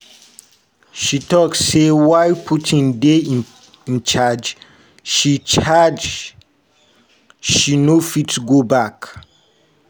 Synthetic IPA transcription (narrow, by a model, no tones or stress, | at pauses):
ʃitɔksːewaɪpʰutʰĩndeĩ | ĩnt͡ʃad͡ʒ | ʃit͡ʃad͡ʒ | ʃinofitɡobak